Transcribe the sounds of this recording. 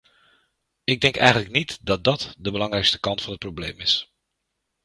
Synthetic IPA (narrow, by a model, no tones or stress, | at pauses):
ɪɡ̚dɛŋkɛ̰jχənləknitdɑt̚dɑtdəbəlɑŋrɛjkstə̥kɑntfɑnɦət̚prowblḛjmɪs